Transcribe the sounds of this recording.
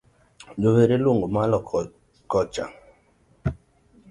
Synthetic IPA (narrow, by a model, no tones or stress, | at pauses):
d͡ʒoβeɾelwoŋɡomalɔ | kɔt͡ʃa̰